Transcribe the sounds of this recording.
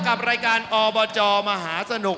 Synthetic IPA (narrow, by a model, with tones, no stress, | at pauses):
ka˨˩p̚ɾaː˧jkaː˧nʔɔː˧bɔː˧t͡ɕɔː˧ma˧ɦaː˩˦sa˧nu˨˩